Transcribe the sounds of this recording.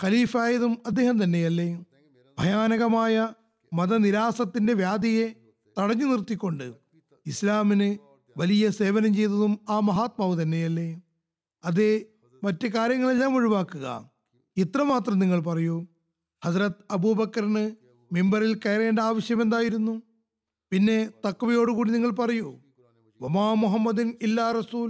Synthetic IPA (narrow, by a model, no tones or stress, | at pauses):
xɐliːfaːjɐðumɐd̪ːe̞ːɦhɐmt̪ɐnːe̞jɐlːe | bʱɐjaːnɐɣɐmaːjɐ | mɐðɐniɾaːsɐt̪ːinde̞ʋjaːd̪ʱɐje̞ | t̪ɐɽɐɲːɨnirt̪ːikʲːo̞ɳɖɨ | islaːminɨ | ʋɐlijɐse̞ːʋɐnɐmt͡ɕe̞jt̪ɐðumaːmɐɦaːt̪̚maːʋɨt̪ɐnːe̞jɐlːe | ɐðe | mɐtːɨkaːɾjɐŋːɐɭelːaːmuɻiʋaːkːuɣɐ̰ | it̪rɐmaːt̪rɐmniŋːɐɭp̬ɐrɐjoː | hɐzrɐt̪ɐbuːbɐkːɐɾnɨ | membɐrilkeːjɾeːnɳdeaːʋɐɕjɐmend̪aːjiɾunːu | pinːe̞t̪ɐkːʋɐjo̞ːɽukuːɽiniŋːɐɭpɐrɐjoː | ʋɐmaːmuɦɐmːɐd̪inilːaːrɐsuːl